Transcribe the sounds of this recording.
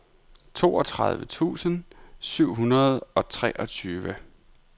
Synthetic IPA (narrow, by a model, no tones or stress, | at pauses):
t͡sʰo̝ːɒ̽t͡sʰʁaðˠʋət͡sʰṵːsənsyʊ̰ɦunɐð̞ˠɒ̽t͡sʰʁɛʔɒ̽t͡sʰyːʋə